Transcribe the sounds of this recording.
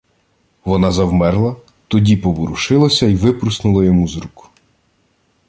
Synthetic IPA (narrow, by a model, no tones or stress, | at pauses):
ʋɔnɑzɐwmɛrlˠɐ | t̪ɔdʲipɔʋɔɾuʃɪlˠɐsʲɐiʋɪpɾʊsnʊlˠɐjɔmuzɾukʊ